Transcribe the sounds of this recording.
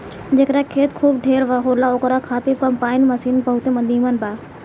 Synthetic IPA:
d͡ʑeːkɾakʰeːt̪kʰuːb̚ʈʰeːɾʋɐɦoːlaokɾakʰaːt̪ɪfkɐmpaːɪnmɐsiːnpɐɦʊt̪emɐ̃nd̪ʱiːmənbaː

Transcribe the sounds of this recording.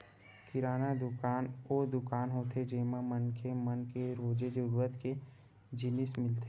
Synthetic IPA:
kɪɾaːnad̪ʊkaːnoːd̪ʊkaːnɦoːt̪ʰed͡ʒeːmamənkemənkeɾoːd͡ʒed͡ʒʊɾət̪ke | d͡ʒɪnɪsmɪlt̪e

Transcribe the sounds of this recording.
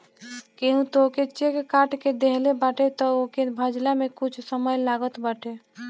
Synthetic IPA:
keɦũt̪oket͡ʃekːaʈked̪eɦlebaʈet̪ɔokenbʱəd͡ʒlamekut͡ʃʰsəməjlaɡət̪bəʈʰe

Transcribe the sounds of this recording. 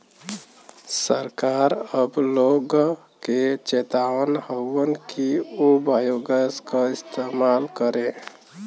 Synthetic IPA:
səɾkaɾəbloɡ | ket͡ʃet̪aʋənhəənkiubajoɡəskəist̪emalkəɾẽ

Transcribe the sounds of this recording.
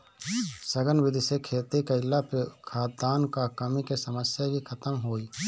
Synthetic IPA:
sɐɡənʋɪd̪ʱisekʰeːt̪ekɐɪlːapekʰaːt̪̚d̪aːnkakɐmikesəməsjabikʰɐt̪əmɦoːiː

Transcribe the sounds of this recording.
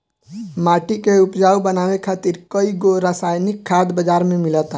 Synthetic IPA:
maːʈikeʊpd͡ʒaːwbənaːwekʰaːt̪ɪɾkəiɡoɾaːsaːjnɪkʰːaːd̪bəd͡ʒaːɾmẽmɪlət̪ː

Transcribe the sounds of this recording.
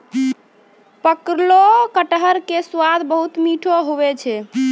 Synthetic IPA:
pəkɾlokəʈɦəɾkeswad̪ʱbəɦut̪miʈʰoɦobɛt͡ʃʰɛ

